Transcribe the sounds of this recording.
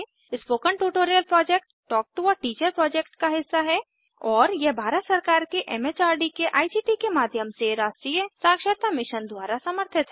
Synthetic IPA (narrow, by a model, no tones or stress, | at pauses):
ɪspoːkəɳʈuːʈoːɾijəlpɾɔːd͡ʒek̚ʈːɔːk̚ʈuʋəʈiːt͡ʃəɾpɾɔːd͡ʒeːk̚ʈkaɦɪsːaɦɛ | ɔːɾjebʱaːɾət̪sɐɾkaːɾkeʔɛmeːt͡ʃaːɾɖikeʔaːisiʈikemaːd̪ʱjəmseɾaːsʈɾiːjəsaːkʃəɾt̪amɪʃənd̪waːɾasɐməɾt̪ʰɪt̪ɦɛ